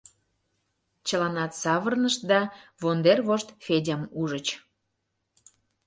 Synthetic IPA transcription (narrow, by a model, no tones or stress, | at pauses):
t͡ɕəlɑnɑt̪sɑβərnəʃ̚d̪ɑvond̪erβoʃt̪fʲedʲəmuʒət͡ɕ